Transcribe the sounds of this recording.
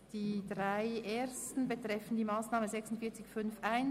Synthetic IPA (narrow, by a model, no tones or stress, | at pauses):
d̥iːdʁaɪʔeːstn̩betʁ̥ɛfn̩diːmaːsnaːməzɛksʊntfiːɐt͡sɪçfʏnfaɪn